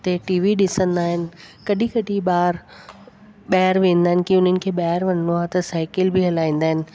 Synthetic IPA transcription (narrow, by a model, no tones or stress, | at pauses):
t̪eʈiːʋiɗɪsə̃nd̪aːɦɪnɪ̆kɐɗĩkɐɖʱiɓaːɾ | ɓaːɦəɾʋẽːnd̪aːɦɪnɪ̆kiʊn̤ənɪ̆kʰeːɓaːəɾʋɐn̤ə̃nd̪oaːt̪ɐsaːɪkɪlbʱɪɦɐlaːĩːnd̪aːɦɪnɪ̆